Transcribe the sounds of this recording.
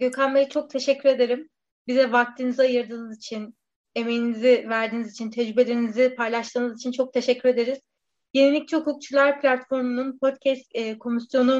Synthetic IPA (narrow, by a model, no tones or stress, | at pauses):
ɟøcʰænmejit͡ʃʰo̞k̚t̪ʰe̞ʃɛcʰːyɾe̞d̪e̞ɾim | bizɛvak̚t̪ʰinizɛajɯɾd̪ɯːnɯzit͡ʃʰin | e̞me̞jinizivæɾd̪iːnizit͡ʃʰint̪ʰɛd͡ʒɾybe̞lʲe̞ɾinizipʰajlˠaʃt̪ʰɯːnɯzit͡ʃʰint͡ʃʰo̞k̚t̪ʰe̞ʃɛcʰːyɾe̞d̪e̞ɾiz̥ | je̞nilʲic̚t͡ʃʰɛukʰuk̚t͡ʃʰulˠaɾpʰlʲat̪fo̞ɾmununpʰot̪cʰɛst̪ːkʰo̞misjo̞nu